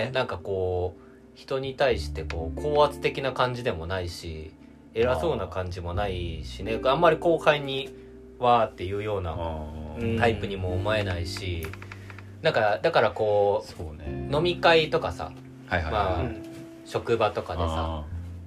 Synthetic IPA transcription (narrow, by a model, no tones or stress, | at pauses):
nãŋkako̞ː | çi̥t̪o̞ɲ̟it̪aiɕi̥t̪e̞ko̞ːkʰo̞ːat͡sɨ̥t̪e̞kʲinakãɲ̟d͡ʑid̪e̞mo̞naiɕḭ | e̞ɾaso̞ːnakãɲ̟d͡ʑimo̞naiɕine̞amːaɾʲiko̞ːhaiɲ̟i | βaːt̪ːe̞jɯ̟ːjo̞ːna̰ɯ̃t̪aipɯ̟ɲ̟imo̞ːmoe̞naiɕi | nãŋkad̪akaɾako̞ːono̞mʲikait̪o̞kasa̰ | hjmaː | ɕo̞kɯ̟bat̪o̞kad̪esa̰